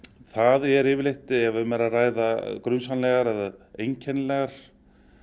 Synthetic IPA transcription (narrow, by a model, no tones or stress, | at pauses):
θaðɛɾɪːvɪɾlejht̪ɪɛvʏmɛɾaðraːjðakɾʏnsanlɛɣaɾɛðaejɲcʰɛnlɛɣaɾ̥